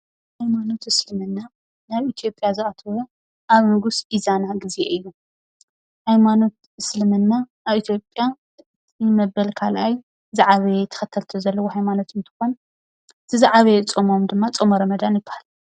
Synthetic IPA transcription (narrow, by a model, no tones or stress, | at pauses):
hajmano̞t̪ɨslɨmɨnːa | naβit̪ʰijo̞pʼjazɨat̪ʰɐwo | ʔaβnɨɡusizanaɡizḛɨjːu | hajmano̞t̪ | ɨslɨmɨnːa | aβit̪ʰjo̞pʼja | tmɐbɐlkʰalʔaj | zaʕaβet̪ʰɐ̥xɐt̪ʰːɐlt̪ʰozɐlːɐwohajmano̞t̪ʰɨnt̪ʰɨ̥xo̞n | ɨt̪ʰɨzaʕaβeɨt͡sʼomo̞md̪ɨmːat͡sʼomɐɾɐmɐd̪anjɪbːahal